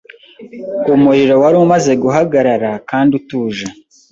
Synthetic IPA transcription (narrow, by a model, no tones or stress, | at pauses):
umuɾiɾo̞waɾumaze̞ɡuɦaɡaɾaɾakaːndutuːʒa